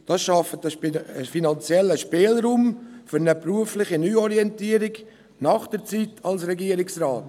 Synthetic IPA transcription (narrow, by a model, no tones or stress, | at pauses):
d̥ɑsʃɑfətəəfinɑnt͡sjɛləʃpeːlɾuːmfʏɾnəpɾuəflɪχinyːɔɾiɛntiːəɾɪk | nɑχd̥əɾt͡sitʰɑlsɾɛɡiəɾɪksraːt